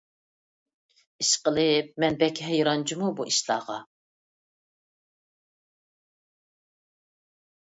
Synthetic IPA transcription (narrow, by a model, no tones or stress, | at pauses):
iʃqəlˠɪp̚mɛnbɛkʲɦɛjɾɑnt͡ʃʰimubuʔiʃlˠɑ̰ːʁɑ